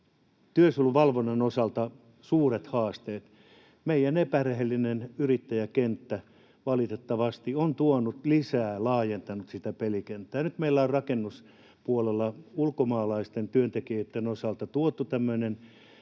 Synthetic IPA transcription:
t̪yøsuolːuʋɑlʋonːenosɑlt̪ɑ | suːret̪hɑːst̪eːt̪ | meijænepærehelːinenyrit̪ːæjækent̪ːæ | ʋɑlit̪et̪ːɑʋɑst̪iont̪uonut̪lisæːlɑːjent̪ɑnut̪sit̪æpelikent̪ːæːjnyt̪meilːæorrɑkenːus | puolelːɑulkomɑːlɑist̪ent̪yønt̪ekijøt̪ːenosɑlt̪ɑt̪uot̪ːut̪æmːøĭnen

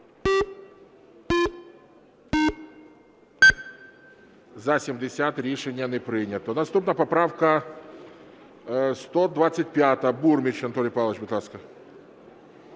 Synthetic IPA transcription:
zasʲɪmʲdʲɪsʲat̪ɾʲeʂɛnʲɪjənɪpɾʲɪnʲɪt̪ənɐst̪upnəjəpɐpɾafkə | st̪od̪vat̪sɨt̚ʲpʲat̪əəburmʲɪt͡ɕɐnt̪onʲɪjpalˠət͡ɕbʲɪt̪lˠaskə

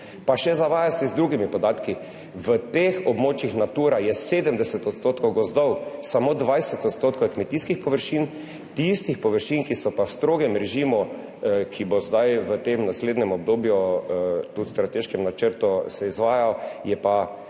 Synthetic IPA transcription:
paʃɛzaʋaːjasɛzd̪ɾuːɡimipɔd̪aːt̪ki | ʋət̪exɔbmoːt͡ʃixnat̪uːɾajɛseːd̪əmd̪ɛsɛt̪ɔt̪st̪oːt̪kowɡɔzd̪ɔwsamoːd̪ʋajsɛt̪ɔt̪st̪oːt̪kojkmɛt̪iskixpɔʋəɾʃiːn | t̪ist̪ixpɔʋəɾʃinkisɔpawst̪ɾoːɡɛmɾɛʒiːmu | kʰibozd̪ajʋət̪emnasleːd̪nɛmɔb̚d̪oːbju | t̪ut̪st̪ɾat̪eʃkɛmnat͡ʃəɾt̪usɛizʋaːjajɛpa

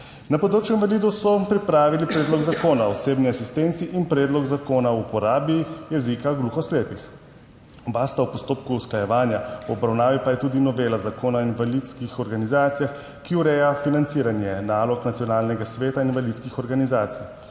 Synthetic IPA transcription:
napɔd̪ɾoːt͡ʃjuinvalid̪usɔpɾipɾaːʋilipɾeːd̪lɔɡzakoːnaɔseːbniasist̪ent̪siʔinpɾɛːd̪lɔɡzakoːnaupɔɾaːbijɛzikaɡluːxɔsleːpix | baːst̪awpɔst̪oːpkuːsklajɛʋaːnjauɔbɾawnaːʋipajɛt̪uːd̪inɔʋeːlazakoːnainʋalid̪skixɔɾɡanizaːt̪sijax | kiuɾɛjafinant̪siɾanjɛnaːlɔknat̪sijɔnaːlnɛɡasʋeːt̪aininʋvalit̪skixɔɾɡanizaːt̪sij

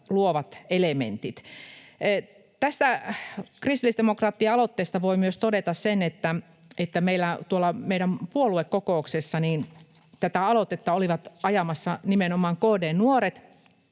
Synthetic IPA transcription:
luoʋɑt̪elemḛnt̪it̪ː | t̪æst̪ækrist̪ilːˑistd̪emokrɑːt̪ːiɑɑlot̪ːeːst̪ɑʋoimyøst̪odet̪ɑssenet̪ːæ | et̪ːæmeilːæt̪uolːɑmeiɾæmpuoluekkokouksesːɑniːn | t̪æt̪æɑlot̪et̪ːɑoliʋɑt̪ɑjɑmɑsːɑnimenomɑːŋkoːdeːnnuoɾet̪

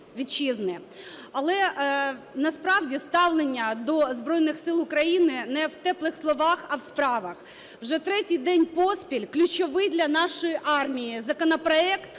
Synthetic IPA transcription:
ʋʲid̪̚t͡ʃiznɪ | ɐlˠɛ | nɐspɾɑwdʲist̪ɑwlˠenʲːɐd̪ɔzbɾɔjnɪxsɪlˠʊkɾɐjinɪnɛwt̪ɛplˠɪxslˠɔʋɑxɐwspɾɑʋɐx | wʒɛt̪ɾɛtʲijd̪ɛnʲpɔspʲilʲklʲʊt͡ʃɔʋɪjd̪lʲɐnɑʃɔjiʔɑrmʲijizɐkɔnɐpɾɔɛkt̪

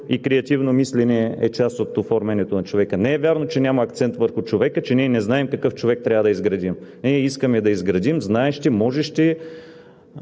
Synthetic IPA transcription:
ikɾɛɐt̪ivnomislɛnɛɛt͡ʃast̪ot̪ofɔɾmɛniɛt̪onɐt͡ʃovɛkənɛɛvʲjaɾnot͡ʃɛnʲamɐːk̚t̪sɛnt̪vəɾxʊt͡ʃovɛkət͡ʃɛniɛnɛznaɛmkɐkɤft͡ʃovɛk̚t̪ɾʲavəd̪ɐizɡɾɐd̪imniɛiskəmɛd̪ɐizɡɾɐd̪imznaɛʃt̪ɛmɔʒɛʃt̪ʲɛ

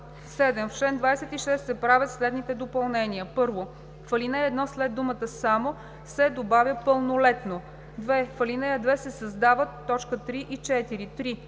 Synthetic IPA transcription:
sɛd̪ɛmfʃɛnd̪vajsɛt̪iʃɛst̪sɛpɾavʲət̪slɛd̪nit̪ɛd̪opɐlˠnɛniəpɤɾvo | fɐlinɛɛd̪nɔslɛd̪̚ːumət̪əsamo | sɛd̪obavʲjəpəlˠnolɛt̪no | d̪vɛfɐlinɛjəd̪vɛsɛsɐzd̪avət̪ːɔt͡ʃkət̪ɾiʔit͡ʃɛt̪iɾit̪ɾi

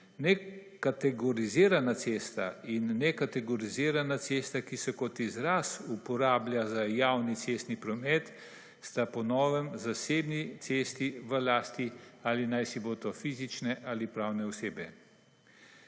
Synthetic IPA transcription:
nɛkat̪ɛɡɔɾiziːɾanat̪seːst̪ainːɛkat̪ɛɡɔɾiziːɾanat̪sest̪akisɛkɔt̪izɾasupɔɾaːblʲjazajawnit̪sest̪nipɾɔmɛt̪ | st̪apɔnɔːʋɛmzaseːbnit̪seːst̪iʋəlaːst̪ialinajsiboːt̪ɔfiːzit͡ʃnɛʔalipɾawnɛɔseːbɛ

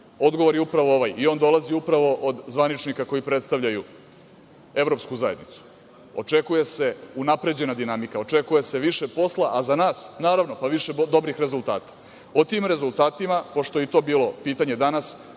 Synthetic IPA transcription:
o̞d̪ɡo̞ʋo̞ɾjeupɾaʋo̞oʋajio̞ːnd̪o̞lˠaziupɾaʋo̞ʔod̪zʋanit͡ʃnikako̞jipɾe̞t̪st̪aʋʎaju | e̞ʋɾo̞pskuzaje̞d̪nit̪su̥ | o̞̰t͡ʂe̞kuje̞seunapɾe̞d͡ʑe̞nad̪inamikao̞t͡ʂe̞kuje̞se̞ʋiʃe̞po̞slaʔazanaːsnaːɾaʋno̞paʋiʃed̪o̞bɾixɾe̞zulˠt̪a̰ːt̪ḁ | ot̪iːmɾe̞zulˠt̪aːt̪imapo̞ʂt̪o̞jit̪o̞ːbiːlo̞piːt̪aɲe̞d̪anas

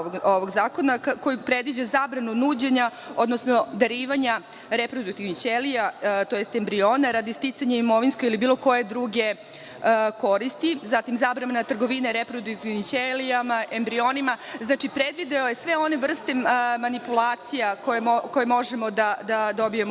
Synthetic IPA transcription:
oʋoɡzaːko̞nako̞jupɾe̞d̪ʋid͡ʑazaːbɾanunuːd͡ʑeɲa | od̪nosnod̪aɾiːʋaɲa | ɾepɾod̪ukt̪iʋnit͡ɕelijat̪ojest̪embɾio̞ːnaɾad̪ist̪it̪saɲaimo̞ʋinskoɡilibiːlˠo̞ko̞jed̪ɾuɡe | ko̞ɾist̪izat̪imzaːbɾannat̪r̩ɡo̞ʋineɾepɾod̪ukt̪iʋnit͡ɕelijamaʔembɾio̞nimaznaːt͡ʃipɾed̪ʋid̪aojesʋeo̞ne̞ʋr̩st̪e̞manipulˠaːt̪sijakojeoko̞jemo̞ʒemo̞d̪ad̪ad̪o̞bijem

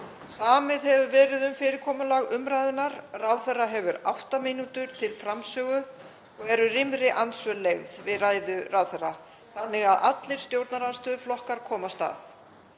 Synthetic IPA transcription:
saːmɪðhɛvʏvɛːɾɪðʏmfɪːɾɪɾkʰɔːmʏlaɣʏmɾajðʏnaɾrawθɛrːaɦɛvʏɾa̰wht̪amɪnut̪ʏɾ̥t̪ʰɪlfɾamsœːɣʏ | ɔɣɛɾʏrɪmɾɪʔansvœleɣðvɪðraːjðʏrawθɛrːa | θanːɪɣaða̰t̪lɪɾ̥st̪jowɾt̪naɾanst̪œːðʏflɔhkaɾ̥kʰɔːmast̪a̰ːθ

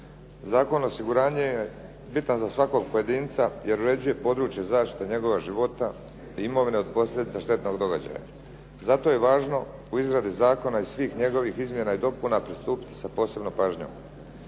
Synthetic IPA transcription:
zaːko̞nosiɡuɾaːɲeje | bit̪anzasʋako̞ɡ̚po̞je̞d̪iːnt̪saje̞ɾuɾe̞d͡ʑuje̞po̞d̪ɾuːt͡ʃjezaːʃt̪i̥t̪eɲe̞ɡo̞ʋaʒiʋo̞t̪a | iimo̞ʋine̞o̞d̪̚po̞slʎʲjed̪it̪saʃt̪e̞t̪no̞ɡd̪o̞ɡa̰d͡ʑa̰ja̰ | zat̪o̞je̞ʋaːʒno̞ | uizɡɾad̪izaːko̞naisʋiːxɲe̞ɡo̞ʋixizmje̞naid̪o̞punapɾist̪uːpi̥t̪i̥sapo̞ːse̞bnopaːʒɲo̰ːm

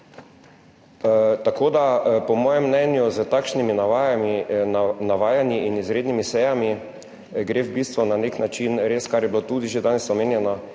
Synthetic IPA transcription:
t̪akoːd̪apɔmɔːjɛmːnɛnjuzət̪akʃnimi | naʋaːjanjiinizɾeːd̪nimisɛjami | ɡɾebist̪ʋunaneknat͡ʃinɾeːskaɾjɛbilot̪uːd̪iʒed̪aːnɛsɔmeːnjɛna

